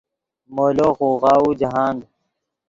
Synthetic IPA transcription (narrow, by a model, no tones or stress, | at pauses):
moːloːxuːɣaːuːd͡ʑɐɦaːnd̪